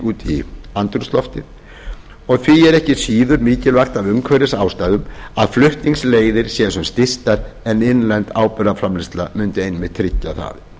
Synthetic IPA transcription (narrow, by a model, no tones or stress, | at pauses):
uːt̪iant̪ɾʏst̪lɔft̪ɪ | ɔɣθʰvijɛɾɛhcɪsiːðʏɾmiːcɪlvaxt̪avʏmkʰvɛɾɪsaːwst̪aːðʏmaðflʏht̪niŋsleːjðɪɾ̥sjɛsʏmst̪ɪst̪aɾɛnɪnlɛnt̪aːwpʏɾafɾamlɪst̪lamʏnt̪ɪejnmɪðt̪ʰɾɪcːaθa̰ðɪ